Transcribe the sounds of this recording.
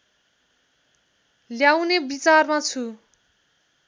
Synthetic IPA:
ljawnebit͡sarmat͡sʰu

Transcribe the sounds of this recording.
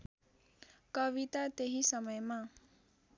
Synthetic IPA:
kʌβit̪at̪eɦisʌmʌjma

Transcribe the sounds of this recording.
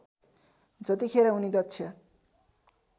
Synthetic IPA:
d͡zʌt̪ikʰeɾaunid̪ʌtːsʰjʌ

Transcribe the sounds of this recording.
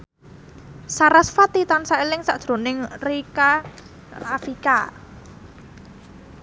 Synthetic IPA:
saɾasfat̪it̪ansaelɪŋsaʔd̥ʒ̥ɾo̤nɪŋrika | rafika

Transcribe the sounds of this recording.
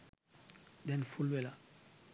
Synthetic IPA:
dɛnfulwɛla

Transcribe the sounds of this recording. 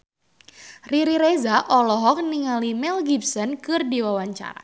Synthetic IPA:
riɾiɾezaʔɔlɔɦɔk̚niŋalimɛlɡipsɔnkɨrdiwawaɲt͡ʃa̰ɾa̰

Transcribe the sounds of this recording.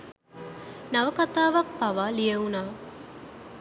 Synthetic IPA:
naʋəkat̪aːʋak̚paʋaːlijəunaː

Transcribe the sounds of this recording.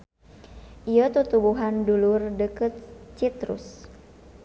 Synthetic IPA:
ʔijət̪ut̪ubuɦandulʊrdəkət̪̚t͡ʃit̪ɾʊ̰s

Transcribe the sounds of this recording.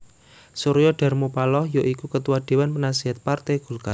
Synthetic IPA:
suɾjɔɖ̥a̤rmupalɔhjoʔikukət̪uwad̪̥e̤wanpənasiɦat̪̚part̪ɛɡ̥ulka

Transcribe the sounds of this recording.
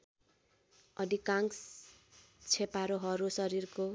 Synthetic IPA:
ʌd̪ikaŋs | t͡sʰepaɾoɦʌɾusʌɾirko

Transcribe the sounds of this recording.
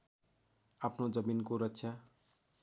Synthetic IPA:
apʰnod͡zʌminkoɾʌtsʰja

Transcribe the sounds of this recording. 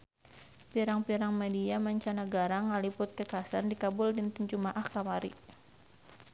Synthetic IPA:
piɾaŋpiɾaŋmadiamaɲt͡ʃanaɡaɾaŋalipʊt̪̚kəkasandikabʊldint̪uɲt͡ʃumaʔahkamaɾḭ

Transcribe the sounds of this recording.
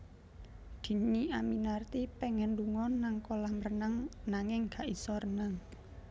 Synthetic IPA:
d̪̥i̤niaminart̪ipɛŋɛnduŋɔnaŋkolahmərnaŋnaŋɪŋɡ̥a̤ʔisɔɾənaŋ

